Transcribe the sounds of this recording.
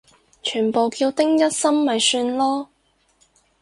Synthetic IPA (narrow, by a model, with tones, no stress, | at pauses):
t͡ʃʰyː˨˩npo˨wkiː˧wt̪ɪ˥ŋjɐ˥t̚sɐ˥mːɐ˨˩jsyː˧nlɔː˥